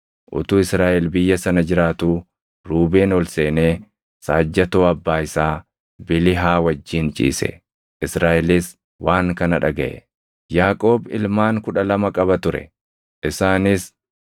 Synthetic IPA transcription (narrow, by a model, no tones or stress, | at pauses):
ʔʊ̰t̪uːɪsɾaːʔɛlbɪjːɐsɐnɐd͡ʒɪɾaːt̪uː | ɾuːbeːnɔlse̞ːneː | saːd͡ʒːɐt̪oːɐbːaːɪsaː | bɪlɪɦaːwɐd͡ʒːiːnt͡ʃʼḭːsɛ̰ | ʔɪsɾaːʔɛlɪs | wʔaːŋkɐnɐᶑɐɡɐʔɛ̰ | jaːkʼo̞ːbɪ̰lmaːŋkʊᶑɐlɐmɐkʼɐβɐt̪ʊɾɛ̰ | ʔɪsaːnɪs